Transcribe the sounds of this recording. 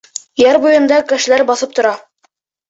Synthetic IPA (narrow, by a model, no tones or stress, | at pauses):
jæɾbujɤ̆nd̪ɑkɘ̆ʃɘ̆læɾbɑθɤp̚t̪ŏɾɑ